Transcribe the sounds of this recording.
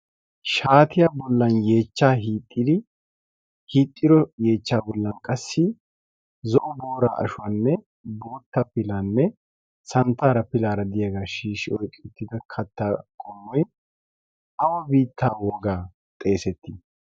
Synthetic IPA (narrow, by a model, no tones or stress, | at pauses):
ʃaːt̪ɪjaːbɔlːɐnje̞ːt͡ʃːaːɦiːt̪ʼːɪd̪ɪ | hiːt̪ʼːɪɾɔje̞ːt͡ʃːaːbɔlːɐnkʼɐsːɪ | zɔʔʊboːɾa̰ːʔɐ̰ʃʊwanːɛ | bo̞ːt̪ːɐpɪlaːnːɛ | sɐnt̪ːaːɾɐpɪlaːɾɐd̪ɪjɐɡaːʃiːʃɪɔjkʼɪt̪ːɪd̪ɐkʰɐt̪ːaːkʼɔmːɔj | ʔɐwɐbiːt̪ːaːwɔɡaː | t̪ʼe̞ːsɛt̪ːɪ